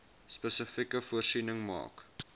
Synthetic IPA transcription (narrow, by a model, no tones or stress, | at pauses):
spəsəfikəfuərsinəŋmɑ̰ːk